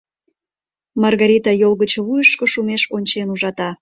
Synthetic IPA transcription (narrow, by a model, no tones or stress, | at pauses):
mɑrɣɑɾʲit̪ɑjolˠɣət͡ɕoβujəʃkoʃumeʃonʲt͡ɕenuʒɑt̪ɑ